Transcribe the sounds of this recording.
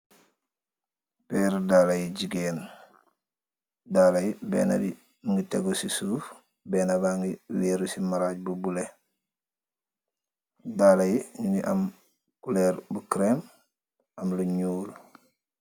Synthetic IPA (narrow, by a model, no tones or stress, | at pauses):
peːɾdaːlajiɟiɡeːn | daːlajibḛːna̰bi | ŋɡiteɡosisuːf | beːnabaŋɡiweːɾusimaɾaɟ̚bubule | dalajiɲuniʔam | kuleːɾbukɾem | ɐmluɲuːl